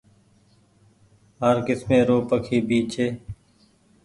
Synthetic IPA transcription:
ɦəɾkɪsmẽːɾoːpəkʰiːbiːt͡ʃʰeː

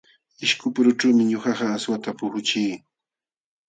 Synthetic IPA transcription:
ɪʃkʊpʊɾʊʈ͡ʂuːmɪɲoxɑɢɑːswat̪apʊhʊt͡ʃiː

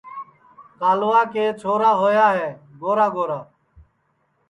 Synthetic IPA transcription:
kaːlʊʋaːkeːt͡ʃʰoːɾaːɦoːjaːɦeːɡoːɾaːɡoːɾaː

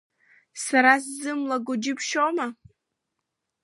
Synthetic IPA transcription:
saɾas̬zɨmlaɡʷʊd͡ʒɪpʰʃoma

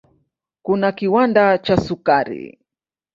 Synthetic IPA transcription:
kʊnakiwand̪at͡ʃasʊkaɾḭ

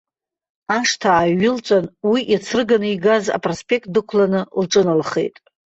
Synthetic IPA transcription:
aʂtʰaːɥɪlt͡sʷʼanwiʔit͡sʰɨrɡanɨiɡaza̰pʼrospʼe̞k̚t̚dɨkʷʰlanɨlʈ͡ʂʼɨnɨlχḛjtʼ

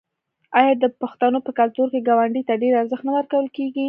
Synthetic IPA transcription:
ɑjɑd̪əpaxt̪anopəkalt̪uɾkeɡawaɳɖit̪aɖeɾaɾzəxt̪nad̪aɾkawəlkeɡi

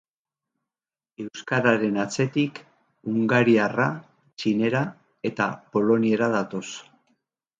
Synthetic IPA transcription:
e̞wskaɾaɾe̞nat͡se̞t̪ik | uŋɡaɾiara | t͡ʃine̞ɾa | e̞t̪a̰po̞lo̞nie̞ɾaðat̪o̞s

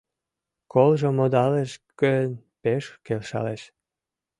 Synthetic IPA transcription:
kolʒomod̪ɑleʃke | peʃkelʃɑ̰leʃ

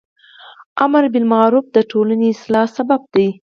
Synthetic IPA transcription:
amaɾbɪlmaɾuf̚d̪əʈʰolaneɪslɑsabab̚d̪aj

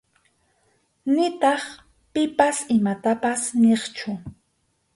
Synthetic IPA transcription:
nɪt̪ɑχ | pɪpasɪmat̪apasneχt͡ʃʊ

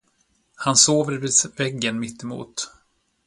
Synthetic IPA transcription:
hansoːvəɾvɪsvɛɡːənmɪt̪ːɪmṵːt̪

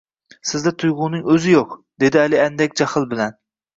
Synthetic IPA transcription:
sɪzd̪ɛt̪ʰʊjʁʊnɪŋɵzɪjoqd̪e̞d̪ɪælɪænd̪ɛkʲd͡ʒaχɨlˠbɪlæn

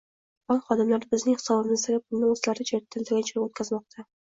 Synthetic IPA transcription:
ɒnχɒd̪ɪmlaɾɪbɪznɪŋhɨ̥sɒbɪmɪzd̪aɡʲap̚pʰʊlˠnɪmʊslaɾɪd͡ʒet̪ʰːɪnt̪ɪɡʲant͡ʃʰɾɪpot̪̚kʲazmɒq̚t̪ʰa

